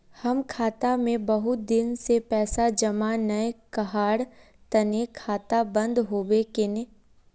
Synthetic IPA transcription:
hɐmkʰaːt̪amẽbɐɦʊt̪̚d̪ɪnsepɛːsad͡ʒɐmanɐjekɐɦaːɽ | t̪ɐnekʰaːt̪abɐ̃nd̪ɦoːʋekɪne

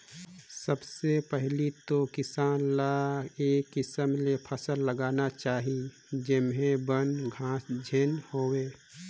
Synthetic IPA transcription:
səbsepɛɦlit̪okɪsaːnlaeːkːɪsəmlepʰəsəlːəɡaːnat͡ʃaːɦi | d͡ʒɪmɦẽbənɡʱãːsd͡ʒʱeːnhoːweː

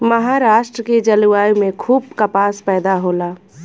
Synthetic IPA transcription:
mɐɦaːɾaːʃʈɾəked͡ʒɐluaːjmẽkʰuːb̚kɐpaːspɛːd̪aɦoːlaː

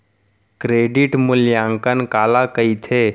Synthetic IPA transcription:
kɾeːɖiʈmʊljãːŋkənkaːlakɐit̪ʰeː

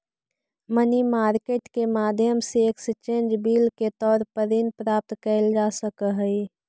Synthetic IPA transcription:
mənimaːɾkeːʈkemaːd̪ʱjəmseekst͡ʃẽːnd͡ʒbiːlket̪ɔːɾpəɾinpɾaːp̚t̪kəɪld͡ʒasəkəɦəi

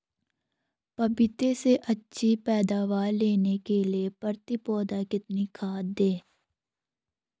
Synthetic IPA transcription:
pɐbɪt̪eseʔɐtːʃʰipɛːd̪aːʋaːɾleːnekeliepɐɾt̪ɪpɔːd̪akɪt̪nikʰaːd̪eː

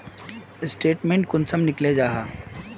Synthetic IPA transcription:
ɪsʈeːʈmẽːɳʈ̚kʊnsəmnɪkled͡ʒaːɦaː

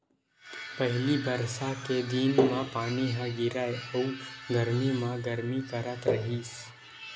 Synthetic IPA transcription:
pɐɦɪlibɐɾsaked̪inmãpaːniɦãɡɪɾaːeʊɡɐɾmimãɡɐɾmikɐɾət̪ɾɐɦiːs

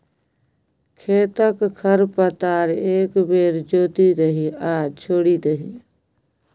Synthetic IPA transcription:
kʰeːt̪əkkʰəɾpət̪aːɾeːkbeːɾd͡ʒoːt̪id̪əɦiaːt͡ʃʰoːɽid̪əɦiː

